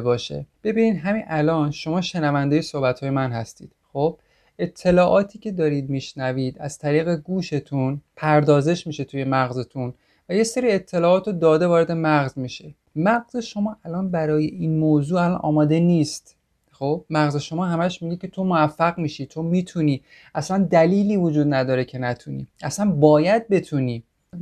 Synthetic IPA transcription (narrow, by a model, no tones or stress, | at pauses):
bɒːʃe̞̰b̥e̞biːniːd̪ɦæminʔælɒːnʃo̞mɒːʃe̞nævænd̪ejesohbæt̪ʰhɒːjemænhæst̪ḭːd̪̥xo̞b̥ | e̞t̪ʰːe̞lɒːʔɒːt̪ʰiːcʰe̞d̪ɒːɾid̪̚miːʃnæviːd̪æ̰z̥t̪ʰæɾiːɣe̞ɡuːʃe̞t̪ʰunpʰæɾd̪ɒːze̞ʃmiːʃe̞t̪ʰuje̞mæɣzet̪ʰun | væje̞seɾiːe̞t̪ʰːe̞lɒːɒːt̪od̪ɒːd̪e̞vɒːɾe̞d̪emæɣzmiʃe̞ | mæɣze̞ʃo̞mɒːʔælɒːnbæɾɒːje̞inmoːzuːælɒnʔɒ̰ːmɒːd̪e̞niːst̪ | xo̞b̥̚mæɣze̞ʃo̞mɒːɦæmæʃmiɡicʲʰe̞t̪ʰo̞moæfːæɣmiːʃit͡ʃʰo̞nmiːt̪ʰuniː | ʔæslænd̪æliːliːvod͡ʒuːd̪næd̪ɒːɾecʰe̞næt̪ʰunḭːʔæslænbɒːjæd̪̚be̞t̪ʰuniː